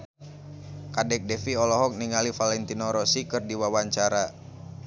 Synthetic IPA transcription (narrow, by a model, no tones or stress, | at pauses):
kadɛk̚dɛfiɔlɔɦɔk̚niŋalifalɛnt̪inɔɾɔsikɨrdiwawaɲt͡ʃaɾa